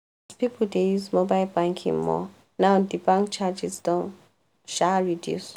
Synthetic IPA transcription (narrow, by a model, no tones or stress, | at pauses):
zpipʰl̩dejuzmobaɪlbãŋkʰḭ̃ŋmɔ̰ | nãʊdibãŋkt͡ʃad͡ʒisdɔ̃n | ʃaɹidjṵs